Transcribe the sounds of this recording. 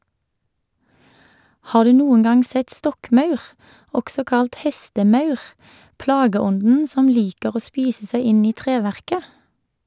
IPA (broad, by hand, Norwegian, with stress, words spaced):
ˈhɑː ˈdʉː ˈnuːən ˈɡɑŋ ˈsɛt ˈstɔkˌmɑʉʁ ˈɔɡsɔ ˈkɑlt ˈhɛstəˌmɑʉʁ ˈplɑːɡəˌɔndn̩ ˈsɔm ˈliːkəʁ ˈoː ˈspiːsə ˈsæɪ ˈɪn ˈiː ˈtʁeːˌʋæʁkə